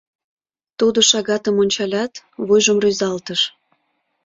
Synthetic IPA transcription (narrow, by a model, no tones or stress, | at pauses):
t̪ud̪oʃɑɣɑt̪əmonʲt͡ɕɑlʲɑt̪βujʒəmrøzɑlt̪əʃ